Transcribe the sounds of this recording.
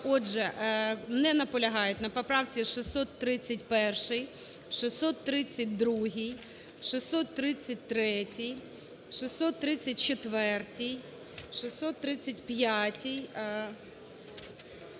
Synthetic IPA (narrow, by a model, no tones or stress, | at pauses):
ɔʒɛmnɛnɐpɔlʲɐɦɑjʊtʲnɐpɐpɾɑwt͡sʲiʃɪsɔt̪ːɾɪt͡sʲːɐtʲpɛrʃɪj | ʃɪsɔt̪ːɾɪt͡sʲːɐt̚ʲd̪ɾuɦij | ʃɪsɔt̪ːɾɪt͡sʲːɐt̚ʲt̪ɾɛtʲij | ʃɪsːɔt̪ːɾɪt͡sʲːɐt̚ʲt͡ʃet̪ʋɛrtʲij | ʃɪsɔt̪ːɾɪt͡sʲːɐtʲpjatʲij